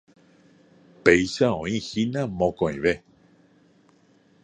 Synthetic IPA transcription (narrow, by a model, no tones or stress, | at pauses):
pejʃaõĩxinãmõkõḭ̃ʋe